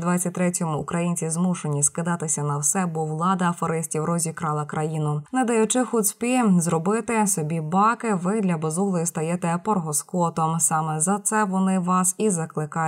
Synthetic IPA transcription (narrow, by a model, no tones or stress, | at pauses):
d̪ʋɑɐtʲt̪ɾɛtʲɔmʊːkɾɐjinʲt͡sʲizmuʃe̞nʲiskɪd̪ɑt̪ɪsʲɐnɐwsɛbuʋlˠɑd̪ɐːfɔɾɪsʲtʲiwrɔzʲikɾɑlˠɐkɾʔɐjinʊnɛd̪ɐjʊt͡ʃɪxut̪ʲsʲpʲizrɔbɪt̪ɪsɔbʲibɑkɪʋɪd̪lʲɐbɔzuɦlˠɔjist̪ɐjɛt̪ɛpɔrɦɔskɔt̪ɔmsɑmɛzɐt̪sɛʋɔnɪʋɑsizɐklˠɪkɑj